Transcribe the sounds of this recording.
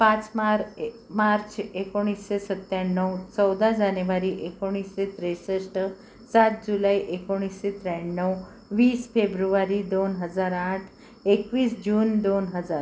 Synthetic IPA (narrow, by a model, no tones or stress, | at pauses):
pãt͡smaɾ | maɾt͡ɕʰekoɽ̃isːesət̪jaɳːəwt͡səwd̪ad͡ʒanəʋaɾiʔekoɽ̃isːet̪ɾesəsʈ | sat̪̚d͡ʑulaiʔekoɽ̃isːet̪ɾɛnːəw | ʋiːsfebɾuʋaɾid̪onɦəd͡zaɾãʈʰ | ekʋiːsd͡ʑund̪onɦəd͡zaɾ